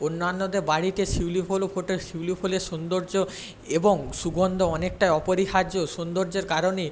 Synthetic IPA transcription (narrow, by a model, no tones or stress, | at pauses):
onːanːod̪eɾbaɽiʈeʃiwlifʰolofʰoʈeɾʃiwlifʰoleʃond̪oɾd͡ʑo | eboŋʃuɡʱond̪ʱoɔnek̚ʈajɔpoɾiɦad͡ʑoʃond̪oɾd͡ʑeɾkaɾone